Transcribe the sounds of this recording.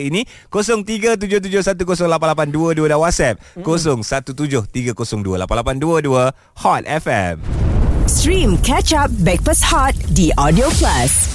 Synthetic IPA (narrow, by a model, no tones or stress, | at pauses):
ini | kosɔŋt̪iɡat̪̬ud͡ʒʊht̪̬ud͡ʒʊhsat̪̬ukosɔŋlapanlap̬anduəduədawat̚sɛp̚kosɔŋsat̪ut̪ud͡ʒʊht̪iɡakosɔŋduəla̰panlapanduəduə | hɔt̪̚ɛfɛ̰mstɹĩmkɛt͡ʃap̚bɛk̚pəshɔt̪̚diʔɔdioplas